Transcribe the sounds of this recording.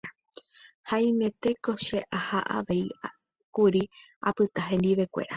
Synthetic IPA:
haĩmẽ̞t̪e̞ko̞ʃe̞ʔahaʔa̰ʋe̞i | kuɾi | a̰pɨt̪aɦẽ̞nd̪iʋe̞kʷe̞̰ɾa

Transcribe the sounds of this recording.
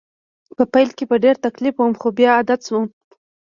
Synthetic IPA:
pəpajlkebəɖeɾt̪aklifwəmxobjɑːd̪at̪swum

